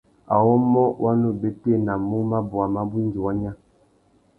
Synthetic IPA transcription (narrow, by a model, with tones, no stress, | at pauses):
a̰˨wɔ˦mɔ˦wʔa˦nu˦be˦te˦˨na˨mu˦ma˦bu˨a˨ma˦bi˦n˨d͡ʒi˨wa˦ɲa˦